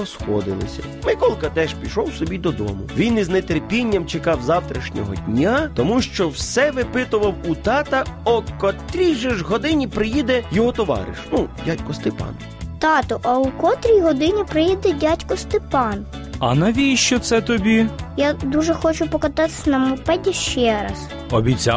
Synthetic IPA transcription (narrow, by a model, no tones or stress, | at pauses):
ɔsxɔ̰d̪ɪ̰lˠɪ̰sʲɐ̰ | mɪkɔlˠkɐt̪ɛʒpʲiʃɔwsɔbʲid̪ɔd̪ɔ̰mʊʋʲiniznet̪erpʲinʲːɐmt͡ʃekɑwzɑwt̪ɾɐʃnʲɔ̰ɦɔ̰dʲnʲat̪ɔmuʃt͡ʃɔwsɛʋɪpɪt̪ʊʋɐwut̪ɑt̪ɐɔkɔt̪ɾʲiʒɪʒɦɔd̪ɪnʲipɾɪjid̪ɛjɔɦɔt̪ɔʋɑ̰ɾɪ̰ʃnudʲatʲkɔst̪ɪpɑ̰n | t̪ɑt̪ɔʔɐukɔt̪ɾʲijɦɔd̪ɪnʲipɾɪjid̪ɛdʲatʲkɔst̪ɪpɑn | ɐnɐʋʲijʃt͡ʃɔt̪sɛt̪ɔbʲijad̪uʒɛxɔt͡ʃʊpɔkɐt̪ɑt̪ɪ̥sʲnɐmʊpɛdʲiʃt͡ʃɛɾɐ̰s | ɔbʲit͡sʲa